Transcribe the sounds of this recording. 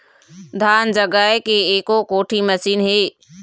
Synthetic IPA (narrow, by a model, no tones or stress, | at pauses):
d̪ʱaːnd͡ʒəɡaːekeeːkokoːʈʰiməsiːnɦeː